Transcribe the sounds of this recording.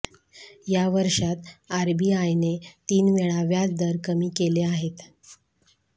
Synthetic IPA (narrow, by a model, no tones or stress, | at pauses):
jaʋəɾʂat̪aɾbiːajnet̪iːnʋeɭaʋjad͡zd̪əɾkəmiːkeleaɦet̪